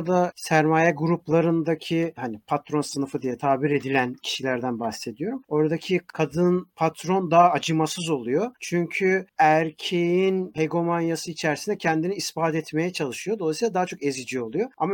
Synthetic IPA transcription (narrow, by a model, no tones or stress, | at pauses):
d̪asæɾmaːjɛɡuɾuplˠaɾɯnd̪acʰihanipʰat̪ɾo̞nsɯnɯfɯd̪ijɛt̪ʰaːbiɾe̞d̪ilʲæncʰi̥ʃilʲæɾd̪ænbaxse̞d̪ijo̞ɾumo̞ɾad̪acʰikʰad̪ɯnpʰat̪ɾo̞nd̪aːd͡ʒɯmasɯzo̞lˠujo̞t͡ʃʰyɲcʰyæɾcʰejinheɡo̞manjasɯit͡ʃʰæɾsinɛcʰɛnd̪iniispaːt̪ɛt̪me̞jɛt͡ʃʰalˠɯʃɯjod̪o̞lˠajsilˠad̪aɦat͡ʃʰo̞ke̞zid͡ʒio̞lˠujo̞a̰ma